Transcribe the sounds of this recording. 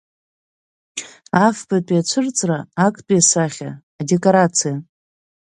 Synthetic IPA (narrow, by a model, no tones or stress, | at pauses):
afbatʼiat͡ɕʷʰɨrt͡sʼraːakʼpʼiasaχʲa̰ː | de̞kʼoɾat͡sʰija